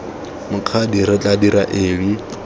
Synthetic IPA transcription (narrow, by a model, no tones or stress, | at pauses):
mʊkʰadiɾɪt͡ɬʼadiɾaʔeːbi